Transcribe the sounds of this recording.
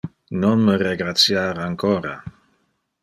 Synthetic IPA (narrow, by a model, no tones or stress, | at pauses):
nonməreɡɾat̪sjaɾaŋkʰɔːɾa̰